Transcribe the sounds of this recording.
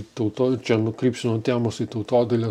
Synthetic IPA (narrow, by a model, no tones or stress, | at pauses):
t̪ɐʊt̪oːɪt͡ʃʲɛnʊkɾʲiːpʲsʲɪnoːt̪ʲæːmoːsit̪ɐʊt̪oːd̪ʲɐlʲe